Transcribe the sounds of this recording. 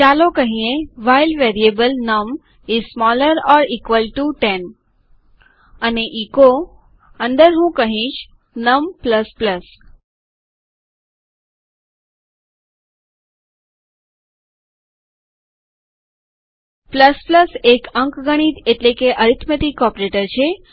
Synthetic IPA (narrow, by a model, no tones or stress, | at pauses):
t͡ʃalokəɦĩẽʋajlʋeɾiebəlnəm | izsmɔləɾɔːɾikʋəlʈuʈen | əneʔiko | ə̃nd̪əɾɦũːkəɦĩt͡ʃ | nəmpləspləs | pləspləsekəŋkɡəɽ̃it̪eʈlekeʔəɾit̪ʰmet̪ikːɔpɾeʈəɾt͡ʃʰe